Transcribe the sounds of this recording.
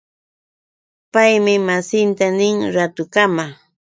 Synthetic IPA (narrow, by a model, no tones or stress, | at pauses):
pajmɪmasɪnt̪anɪŋɾat̪ʊkama